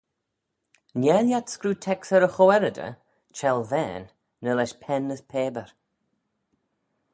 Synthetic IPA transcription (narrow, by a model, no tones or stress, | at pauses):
njɛljatskɾuːtʰɛksəɾəxɔwɛɾədə̰ | t͡ʃʰɛlˠvɛ̰ːnː | əlɛʃpʰɛnːəspʰeːbəɹ